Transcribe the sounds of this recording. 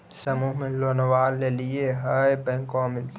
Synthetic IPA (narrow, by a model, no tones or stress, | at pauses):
səmuːɦmẽloːnəwaːlːelieɦəebɛ̃ŋkomɪlt̪